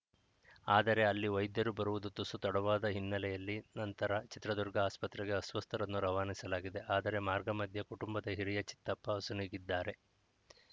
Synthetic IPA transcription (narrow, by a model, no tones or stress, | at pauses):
aːd̪ɐɾe̞ɐlːiʋɐjd̪jɐɾubɐɾuʋud̪ut̪ːusut̪ɐɽɐʋaːd̪ɐɦinːɐlɛjɐlːinɐnt̪ɐɾɐt͡ʃit̪ɾɐd̪uɾɡɐaːspɐt̪ɾɛɡe̞ɐsʋɐst̪ʰɐɾɐnːuɾɐʋaːnisɐlaːɡid̪e̞ʔaːd̪ɐɾe̞maːɾɡɐmɐd̪ʱjɐkuʈumbɐd̪ɐɦiɾijɐt͡ʃi̥t̪ːɐpːɐːsuniːɡid̪ːaːɾe̞